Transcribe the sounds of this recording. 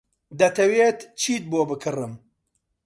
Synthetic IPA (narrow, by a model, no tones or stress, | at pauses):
d̪ɐt̪ʰɐweːt̪t͡ʃʰiːt̪̚boːbɨkʰɨrɨm